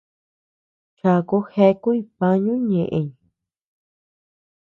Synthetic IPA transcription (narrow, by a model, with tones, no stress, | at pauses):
t͡ʃa˧˨ku˧˦he˧ku˦i˧pa˧ɲũ˦ɲẽ˨ʔẽ˨ɲ̃˨